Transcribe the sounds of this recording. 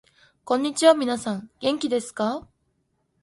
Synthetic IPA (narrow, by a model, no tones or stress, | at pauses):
kõɲ̟ːit͡ɕiβamʲinasãŋɡ̥ẽ̞ŋkʲid̪e̞sɨ̥ka